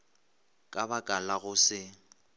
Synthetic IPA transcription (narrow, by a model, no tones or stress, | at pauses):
kʼabakʼalaɣʊsɪ